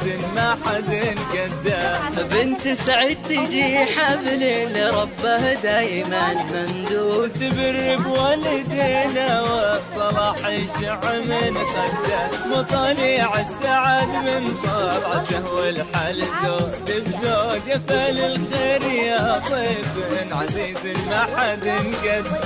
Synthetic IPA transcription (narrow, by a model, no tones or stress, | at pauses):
ɪnmaħad̪ɪnɡad̪ːabɪnt̪saʕɪd̪̚t̪id͡ʒiħamliliɾˤɑbːahad̪aːjɪmanmand̪uːt̪ɪbarːɪbwalɪd̪eːnawɪsˤɑlɑːħɪʃɪʕamɪnxat̪amɑt̪ˤɑliːʕɪsːaʕad̪mɪnt̪ˤɑbʕad̪ahwɪlħaːlɪzːaːt̪ɪbzaɡafalɪlxeːɾjat̪ˤiːbɪnʕaziːzɪmaħad̪ɪnɡad̪